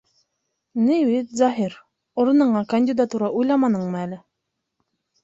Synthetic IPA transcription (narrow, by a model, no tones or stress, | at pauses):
newit̪zɑɦiɾ | oɾɤ̆nɤ̆ɴɑkɐnʲdʲɪd̪at̪uɾɑʔujlˠɑmɑnɤɴmɤælɘ